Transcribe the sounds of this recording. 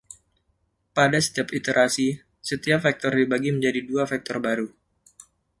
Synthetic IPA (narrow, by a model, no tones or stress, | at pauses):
padasə̥t̪iapit̪əɾʔasi | sət̪iap̚fak̚t̪ɔrdibaɡiməɲd͡ʒadiduafak̚t̪ɔrbaɾu